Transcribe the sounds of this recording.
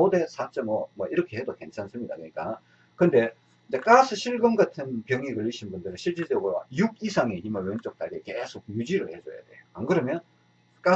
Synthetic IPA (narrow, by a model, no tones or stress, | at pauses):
ode̞sʰat͡ɕ͈ʌmʌmwʌʔiɾʌkʰe̞he̞doke̞nt͡ɕʰansɯmɲida̰kɯɲik͈a | kɯnde̞ | ind͡ʑe̞k͈asʰɯɕʰiɭɡʌmɡatʰɯnpjʌŋiɡɯɭːiɕʰinbundɯɾɯnɕʰiɭt͡ɕ͈ed͡ʑʌɡɯɾoa̰juɡisʰaŋeʔimajwent͡ɕ͈ok̚t͈aɡekesʰok̚jud͡ʑiɾɯɭhe̞d͡ʑoja̰d̥we̞joaŋɡɯɾʌmjʌn | k͈a